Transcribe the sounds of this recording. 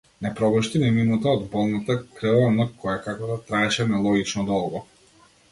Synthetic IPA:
nɛpɾɔbɔʃt̪inɛminut̪aɔd̪bɔlˠnat̪akɾɛɔnakɔjakakɔd̪at̪ɾaɛʃɛnɛlˠɔɡit͡ʃnɔd̪ɔlˠɡɔ

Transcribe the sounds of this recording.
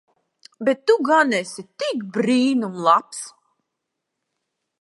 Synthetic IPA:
bet̪ːuɡanɛsit̪ikbɾiːnumlˠaps

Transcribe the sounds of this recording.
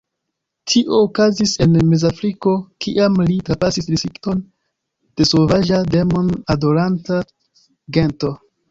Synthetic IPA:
tʰiʔo̞ːkazise̞nme̞zafɾiko̞kiʔamlitɾapasisɾisɾikto̞n | d̥e̞sovaʒade̞monado̞lanta | ɡe̞nto̞

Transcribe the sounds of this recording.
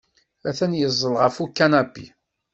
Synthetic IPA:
æθænjəzˤːəlʁəfukːænæbḭ

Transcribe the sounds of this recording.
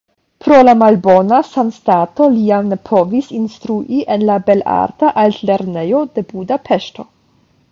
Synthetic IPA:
pɾo̞lamalbo̞nasanstato̞liamnepʰo̞visinstɾuʔiʔenlabe̞la̰ɾtaʔaltle̞ɾne̞jo̞de̞budapʰeʃto̞

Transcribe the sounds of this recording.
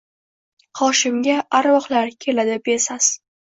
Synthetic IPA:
χɒʃɪmɡʲaʔaɾwɒqlaɾkʲʰe̞lad̪ɪbesas

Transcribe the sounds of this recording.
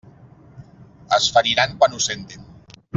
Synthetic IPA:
əsfaɾiɾaŋkwanusent̪in

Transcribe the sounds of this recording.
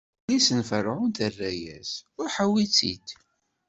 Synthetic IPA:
lisənfərʕʊnt̪ərːæjæ̰sʊɾħawit͡sːḭd̪

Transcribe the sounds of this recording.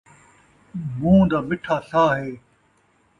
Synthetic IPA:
mũːd̪aːmɪʈʰaːsaːɦeː

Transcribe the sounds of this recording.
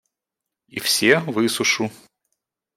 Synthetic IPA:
ḭfsʲevɨsʊʂʊ

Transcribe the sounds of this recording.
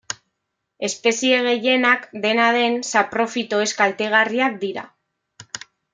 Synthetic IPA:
e̞spe̞sie̞ɣ̞e̞je̞nakd̪e̞nað̞e̞nsapɾo̞fit̪o̞e̞skalt̪e̞ɣ̞ariak̚d̪iɾa̰

